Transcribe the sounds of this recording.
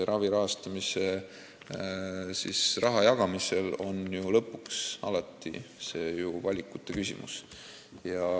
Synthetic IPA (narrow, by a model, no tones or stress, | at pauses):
eɾʔɑviɾɑɦɑst̪ɑmise̞ | sisrɑɦɑjɑɡ̥ɑmise̞lo̞njulɤpːˑuksɑlɑt̪ːḭse̞ːjuvɑlʲikːˑut̪ːˑe̞kysʲḭmṵs | jɑ